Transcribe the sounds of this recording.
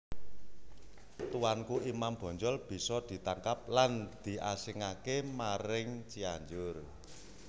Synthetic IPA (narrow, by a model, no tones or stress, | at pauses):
t̪uwankuimamb̥ɔ̤ɲd͡ʒɔlb̥i̤sɔd̪̥i̤t̪aŋkap̚land̪̥i̤ʔasɪŋakemaɾɪŋt͡ʃiaɲd͡ʒʊr